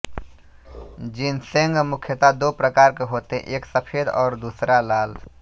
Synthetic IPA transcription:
d͡ʒinsẽŋɡmʊkʰjət̪ad̪oːpɾəkaːɾkeɦoːt̪ḛ̃ʔeːksəpʰeːd̪ɔːɾd̪uːsɾalaːl

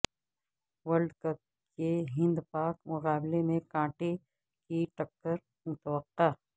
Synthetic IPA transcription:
ʋəɾɖkɐb̚ | keɦɪ̃nd̪paːkmʊɣaːblemẽkãːʈe | kiʈɐkːəɾ | mʊt̪əwəqːaː

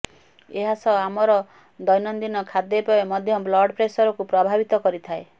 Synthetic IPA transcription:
eɦasɔamɔɾɔ | d̪ɔjnɔnd̪inɔkʰad̪jepɔemɔd̪ʱjɔblɔɾɖpɾesɔɾɔkupɾɔbʱabit̪ɔkɔɾit̪ʰae

